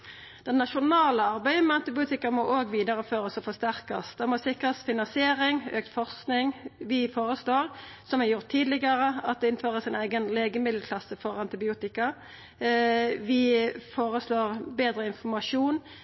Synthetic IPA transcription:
d̪̥ɛnːɑʃʊnɑːləɑɾbæɪəmɛɑnt̪ɪbɪuːt̪ɪkɑmɔʔoːɡʋiːd̪ɑɾəføːɾəsɔfɔʁst̪æɾkɑst̪d̪ɛmɔsɪkɾɑsfɪnɑnsɪeːɾɪŋøːk̚t̪fɔʁsknɪŋʋɪfoːɾəsloːʁsɔmæjʊɾt̪ʰːiːd̪lɪɡɑɾəɑt̪̚d̪ɛɪnføːɾəsæɪnæɪɡənleːɡəmɪd̪l̩kʰlɑsəfɔʁɑnt̪ɪbɪuːt̪ɪkɑ | ʋɪfoːɾəsloːʁbeːd̪ɾəɪnfɔɾmɑʂuːn

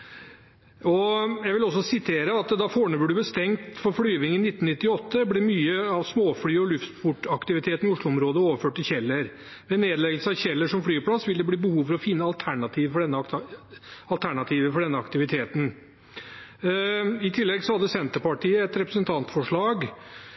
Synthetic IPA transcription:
ɔjæɪʋɪlɔs̬ːɔsɪt̪ʰeːɾəɑt̪d̪ɑfoːɳəbəɖʉbəst̪ɛŋt̪fɔɾfɽyːʋɪŋːənɪt̪ːnnɪt̪ːɪɔt̪ːəblɛːmyːəɑʋsmoːfɽyːɔlʉft̪fʊʈɑkt̪ɪʋɪt̪ʰeːt̪nɪʊʂɭʊɔmɾoːd̪əoːʋəɾføːʈːɪlçɛlːəɾ | ʋɛneːd̪əlɛɡəlsəɑʋçɛlːəʂɔmfɽyːpʰlɑsʋɪld̪ɛbliːbəhuːʋfɔɾɔfɪnːəɑlt̪ʰæɳɑt̪ʰiːʋfɔɖɛnːə | ɑlt̪ʰæɳɑt̪ʰiːʋəfɔɖɛnːəɑkt̪ɪʋɪt̪ʰeːt̪n̩ | ɪt̪ʰɪlːɛɡsɔhɑd̪ːəsɛnt̪əɾpɑʈiːəɛt̪ɾɛpɾəsənt̪ʰɑnt̪fɔʂɭɑːɡ

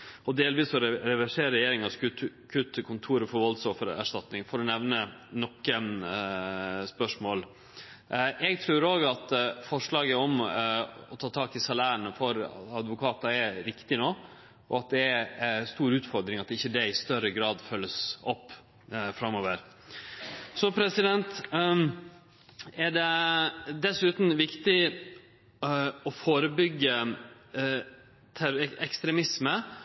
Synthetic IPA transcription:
ɔd̪eːlʋiːsɔɾɛɾɛʋæʂeːɾɛjeːɾɪŋɑskʉt̪kʰʉt̪ʰːəkʰʊnt̪ʰuːɾəfɔɾʋɔlsɔfəɾæ̰ʂt̪ɑt̪nɪŋfɔɾɔnɛʋnənɔkːə | spœʂmoːl | ʔɛɡt̪ʰɾʉːɾoːɡɑt̪fɔʂɭɑːɡəɔm | ɔt̪ʰɑːt̪ʰɑːkɪsɑlæːɳəfɔɾ̰ɑd̪ʋʊkʰɑːt̪ɑæɾɪkt̪ɪnoː | ʔɔɑt̪̚d̪ɛæɾst̪uːɾʉːt̪fɔɾd̪ɾɪŋɑt̪ɪçːəd̪ɛɪst̪œɾəɡɾɑːd̪fœlːəsɔpː | fɾɑmoːʋəɾ | sɔpʰɾɛsɪd̪ɛnt̪ | æɖɛd̪ɛsʉːt̪n̩ʋɪkt̪ɪ | ɔfoːɾəbʏɡːə | t̪ʰæɾɛkst̪ɾɛmɪsmə

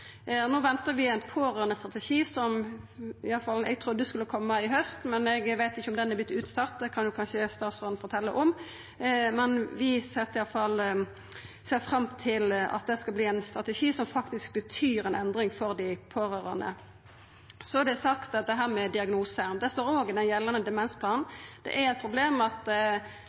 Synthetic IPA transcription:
noːʋɛnt̪əɾʋɪæɪnpʰoːɾøːʁənəst̪ʁɑt̪əʂiːsɔm | ɪɑlfɑlɛɡt̪ʰɾuːd̪əd̪ʉskʉlːəkʰɔmːəɪɦœst̪mɛnɛɡʋæɪt̪ɪçːəʊmd̪ɛnːɛb̪ɪt̪ʉːt̪sɑt̪ːd̪ɛkʰɑnjʊkʰɑnʃəst̪ɑːt̪sɔnfɔɾt̪ʰɛlːəʔɔm | mɛnʋɪsɛt̪ːəɪɑlfɑl | seːɾfɾɑmt̪ʰɪlɑ̰t̪̚d̪ɛskɑbliːæɪnst̪ʁɑt̪ɛʂiːsɔmfɑkt̪ɪsk̚bət̪ʰyːɾɛnɛnd̪ɾɪŋfɔɾd̪ɪpʰoːɾøːɾə̰ʁnə̰ | sɔæd̪ɛsɑkt̪ɑt̪̚d̪ɛɦæːʁmɛd̪ɪɑɡnuːsəmd̪ɛst̪oːɾoːɡɪd̪ɛnjɛlːənəd̪ɛmɛnspʰlɑːnn̩d̪̥ɛ̰ʔæɾɛɪt̪̚pʰɾʊbleːmɑt̪

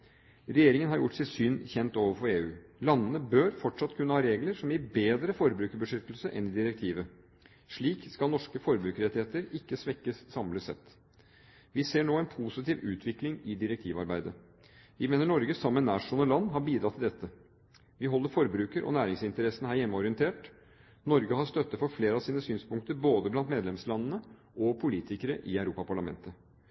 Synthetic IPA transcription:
ɾɛjeːɾɪŋənɦɑɾjʊʈːsæɪsyːnçɛnt̪oːʋəɾfɔɾeːʉːlɑnːənəbøːɾfɔʈʂɑt̪ːkʰʉnːəhɑːɾeːɡləɾsɔmjɪɾbeːd̪ɾəfɔɾbɾʉːkəbəʂʏt̪l̩səʔɛnɪd̪ɪɾɛk̚t̪ʰiːʋə | ʂɭiːkskɑlnɔʂkəfɔɾbɾʉːkəɾɛt̪ɪheːt̪əɾɪkːəsʋɛkːəsːɑmləsɛ̰t̪ː | ʋɪseːɳoːæɪnpʰusɪt̪iːʋʉːt̪ʰʋɪklɪŋɪd̪ɪɾɛkt̪ʰiːʋɑ̰ɾbæɪd̪ə | ʋɪmeːnəɳɔɾɡəsɑmːənæːʂʊnəlɑnːɦɑɾbiːd̪ɾɑt̪ʰːɪld̪ɛt̪ːə | ʋɪɦɔlːəɾfɔɾbɾʉːkəɾʔɔ̰næːɾɪŋsɪnt̪əɾɛsənəhæːɾjɛmːəɔɾɪənt̪ʰeːʈ | nɔɾɡəhɑst̪œt̪ːəfɔɾfleːɾəɑʋsiːnəsyːnspʊŋkt̪əɾboːd̪əblɑnt̪meːd̪lɛmslɑnːənə | ʔɔpʰʊliːt̪ɪkəɾəʔɪæʉɾuːpɑpʰɑɭɑmɛ̰nt̪ə

